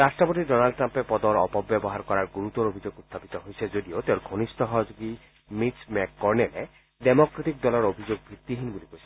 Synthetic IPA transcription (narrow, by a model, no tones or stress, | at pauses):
ɾasʈɔpot̪iɖɔnalɖʈɾampepɔd̪ɔɾɔpɔbjɔbɔɦaɾkɔɾaɾɡuɾut̪ɔɾobʱid͡ʒoɡut̪ʰːapit̪ɔɦojsʰed͡ʒod̪iot̪eʊɾɡʱonist̪ɔɦɔɦd͡ʒuɡi | mismɛkːɔɾnele | demokɾet̪ik̚d̪ɔlɔɾobʱid͡ʒoɡ̚bʱit̪ːiɦinbulikosʰi